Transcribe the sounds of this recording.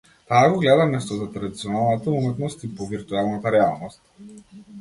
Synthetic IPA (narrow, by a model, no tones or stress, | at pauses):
t̪aːɡɔɡlɛd̪amɛst̪ɔzat̪ɾad̪it̪siɔnalˠnat̪aumɛt̪nɔst̪ipɔviɾt̪uɛlˠnat̪aɾɛalˠnɔst̪̚